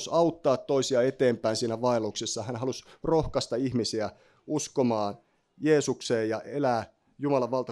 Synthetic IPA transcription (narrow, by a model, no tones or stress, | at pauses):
sɑut̪ːɑːt̪ːoisiɑet̪eːmpæinsiːnæʋɑeloksesːɑhænɦɑlusrohkɑst̪ɑihmisiæ | uskomɑːn | jeːsukseːjjɑʔelæː | jumɑlɑʋʋɑlt̪ɑ